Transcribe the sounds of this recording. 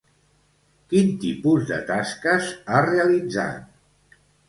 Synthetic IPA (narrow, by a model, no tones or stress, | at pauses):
kint̪ipuzðə̰t̪askəzareəlid͡za̰t̪̚